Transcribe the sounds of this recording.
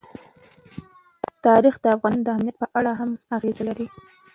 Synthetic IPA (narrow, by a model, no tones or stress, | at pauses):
t̪ɑɾixd̪əafɣɑnɑnd̪əamnijat̪̚pəʔaɽaɦamaɣezalaɾi